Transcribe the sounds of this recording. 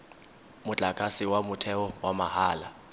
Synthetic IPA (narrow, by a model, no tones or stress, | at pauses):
mʊt͡ɬʼakʼasɪwamʊtʰɛɔwamahaːla